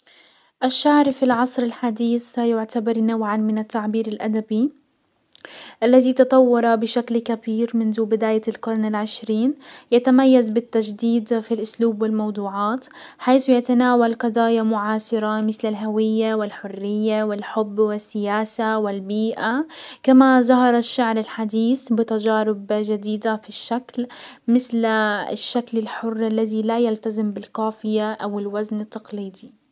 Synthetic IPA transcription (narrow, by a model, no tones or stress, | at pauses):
ʔaʃːaʕɾfilʕɑsˤɾɪlħad̪iːθajʊʕt̪abɑɾˤnawʕanmɪnat̪ːaʕbiːɾɪlʔad̪abi | ʔalːaðit̪ɑt̪ˤɑwːɑɾˤabɪʃaklkabiːɾmɪnðubɪd̪aːjalqʊɾˤnɪlʕɪʃɾiːnjat̪amajːazbɪt̪ːad͡ʒd̪iːd̪filʔʊsluːbwɪlmɑwd̪ˤuːʕɑːt̪ħajθjat̪anaːwalqɑd̪ˤɑːjamʊʕaːʃɑɾamɪθlɪlɦawɪjːawɪlħʊrːɪjːawɪlħʊbːwɪsːɪjaːsawɪlbiːʔakamazɑɦɑɾˤɑʃːaʕɾɪlħad̪iːθbɪt̪ad͡ʒaːɾɪbd͡ʒad̪iːd̪afiʃːaklmɪθlɪ̰ʃːaklɪlħʊrːʔalːaðilajalt̪azɪmbɪlqaːfɪjaʔawɪlwaznɪt̪ːɑqliːd̪i